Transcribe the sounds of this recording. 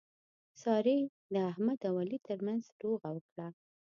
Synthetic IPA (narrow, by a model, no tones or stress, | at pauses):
sɑɾe | d̪əahmad̪awalit̪ʰəɾmanzɾoɣawəkɽa